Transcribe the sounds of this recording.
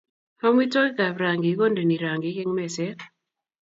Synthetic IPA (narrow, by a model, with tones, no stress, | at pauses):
ha˦mwi˦tɔ˦lka˨βɾa˨ŋɡi˨˦ɣɔ˦ndi˨ni˨ɾa˨ŋɡi˨˦ke˦ŋmɛ˨sɛ˦